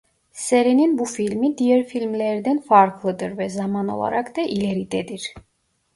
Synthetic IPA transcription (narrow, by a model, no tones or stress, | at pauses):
sɛɾininbufilmid̪iɛɾfilmlɛɾd̪ɛnfaɾkʰlˠəd̪əɾvɛzamanɔ̰lˠa̰ɾakd̪ɛʔilɛɾid̪ɛd̪iɾ